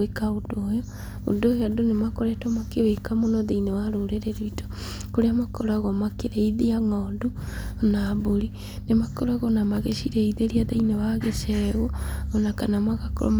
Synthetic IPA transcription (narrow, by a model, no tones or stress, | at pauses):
ekaodojɔ | o̰dojadonemakoɾɛtɔmakeβekamonɔðeinewaɾoɾeɾeɾiito̥koɾeamakoɾaɣɔmakeɾeiðiaŋɔdunaboɾi | nemakoɾaɣɔnamaɣeʃiɾeiðeɾiaðeinewaɣesɛɣɔːnakanamaɣako̰ɾɔ̰m